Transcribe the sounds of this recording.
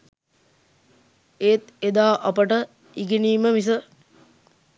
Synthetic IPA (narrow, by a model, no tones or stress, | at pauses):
eːt̪ed̪aːʔɐpəʈə | iɡeniːməmis̬ə